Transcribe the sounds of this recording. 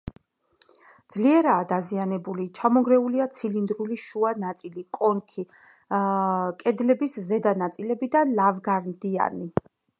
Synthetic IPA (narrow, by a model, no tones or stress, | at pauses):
d̪zliɛɾaːd̪azianɛbulit͡ʃʰamɔɡɾɛuliat̪sʰilind̪ɾuliʃuanat̪sʼilikʼɔnkʰi | kʼɛd̪lɛbiszɛd̪anat̪sʼilɛbid̪anlavɡaɾnd̪ia̰ni